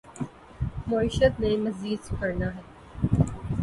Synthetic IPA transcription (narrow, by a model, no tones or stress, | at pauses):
moːiʃət̪nẽmɐziːd̪sɪkɐɾnaɦɛː